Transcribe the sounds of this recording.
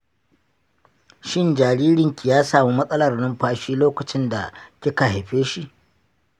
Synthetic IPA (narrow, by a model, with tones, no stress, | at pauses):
ʃɪ˦nd͡ʒaː˨ɽiː˦ɾɪ˨ŋkʲi˨jaː˦saː˨mi˦mɐ˦sʼɐ˦lɐ˨rnɐ˦mɸaː˦ʃiː˦loː˦kɐ˨t͡ʃɪ˦nda̰˨kʲɪ˦ka˨ɦa˨jɸeː˦ʃi˦ʔ